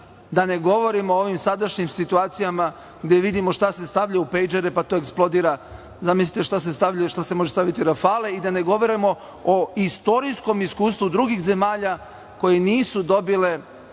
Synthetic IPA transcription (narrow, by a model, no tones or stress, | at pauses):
d̪ane̞ɡo̞ʋo̞ɾimoooʋimsad̪aʃɲimsit̪uaːt̪sijama | ɡd̪eʋid̪imo̞ʃt̪ase̞st̪aʋʎaupejd͡ʒeɾepat̪o̞eksplˠo̞d̪iːɾa | zamislit̪eʃt̪as̬est̪aʋʎaʃt̪ase̞mo̞ʒest̪aʋit̪iɾafale̞id̪ane̞ɡo̞ʋo̞ɾimo̞ | oist̪o̞ɾisko̞miskuːst̪ʋud̪ɾuɡixze̞maːʎa | ko̞jeniːsud̪o̞bile̞